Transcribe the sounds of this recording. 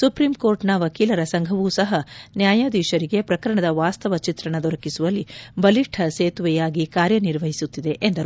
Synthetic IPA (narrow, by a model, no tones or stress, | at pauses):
supɾimko̞ːɾʈnɐʋɐkiːlɐɾɐsɐŋɡʱɐʋuːsɐɦɐnjaːjɐd̪iːʃɐɾiɡe̞pɾɐkɐɾɐɳɐd̪ɐʋaːst̪ɐʋɐt͡ʃit̪ɾɐɳɐd̪ɔɾɐkisuʋɐlːibɐliʈʰɐseːt̪uʋɛjaːɡikaːɾjɐniɾʋɐɦisut̪ːid̪e̞ʔend̪ɐɾ